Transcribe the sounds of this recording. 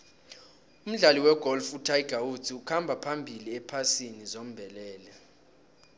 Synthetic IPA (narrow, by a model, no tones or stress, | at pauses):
um̩ɮaliwɛɡ̥ʱɔlfutʰajɡ̥ʱawut͡sʰiukʰambʱapʰambʱiliɛpʰasinizom̩bʱɛlɛːlɛ